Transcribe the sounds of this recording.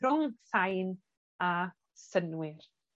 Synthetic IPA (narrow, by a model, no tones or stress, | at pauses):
rʊŋθajn | a | sənwɪr